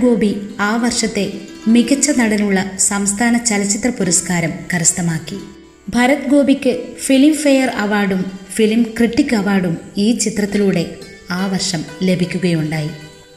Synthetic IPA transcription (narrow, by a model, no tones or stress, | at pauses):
ɡo̞ːbiaːʋɐrʂɐt̪ːe̞miɣɐt͡ɕːɐnɐɽɐnuɭːɐsɐmst̪ʰaːnɐt͡ɕɐlɐt͡ɕːit̪rɐpuɾɐskaːɾɐmkɐɾɐst̪ɐmaːkːi | bʱɐɾɐt̪ɡo̞ːbikʲːɨfilimfɐjɐrɐʋaːɖumfilmkriʈːikːɐʋaːrɽumiːt͡ɕit̪rɐt̪ːiluːɽe̞ | aːʋɐrʂɐmle̞bʱikʲːuɣɐjuɳɖaːji